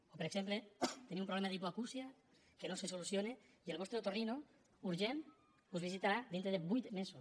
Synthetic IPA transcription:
opeɾeksemplet̪enĩmumpɾolemaðipoakusia | kenosesolusjone | ielβɔst̪ɾt̪orino | uɾʒen | uzβ̞isit̪aɾad̪int̪ɾeðebujt̪meso

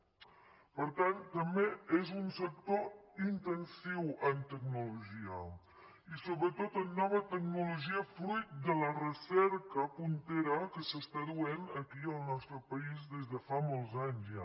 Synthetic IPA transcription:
pəɾt̪ant̪əmbeezunsək̚t̪oint̪ənsiwənt̪əknuluʒiə | isoβɾət̪oənːɔβ̞ət̪əknuluʒiəfɾujt̪̚d̪ələrəsɛɾkəpunt̪eɾəkəsəst̪aðuenəkiəlˠnɔst̪ɾəpəizðezðəfamolˠzaɲzja

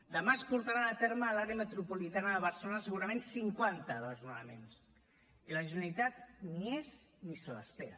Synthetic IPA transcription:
d̪əmaəspuɾt̪aɾaət̪eɾməːlaɾeəmət̪ɾupulit̪anəðəβəɾsəlonaəsəɣ̞uɾəmensiŋkwant̪əðəlzunəmḛns | iləʒənəlit̪at̪nieznisələ̰speɾə̰

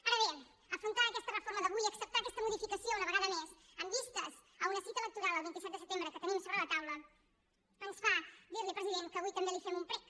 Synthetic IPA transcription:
aɾəβe | əfɾunt̪aəkɛst̪ərəfoɾməðəβujəksəp̚t̪akɛst̪əmuðifikəsiounəβəɣaðəmezəmbist̪əz | əunəsit̪əelək̚t̪uɾalˠəlˠβint̪isɛt̪d̪əsət̪embɾəkət̪ənimsoβɾələt̪awlə | pənsfad̪iɾlipɾəziðeŋkəβujt̪ənd̪elifemumpɾɛk

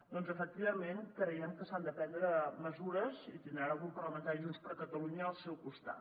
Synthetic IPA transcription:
d̪ɔnzəfək̚t̪iβəmenkɾəɛmkəsand̪əpɛnd̪ɾəməzuɾəzit̪ind̪ɾaɾəkumpərləmənt̪aɾiʒunspəɾkət̪əluɲəːlˠsɛwkust̪a̰t̪

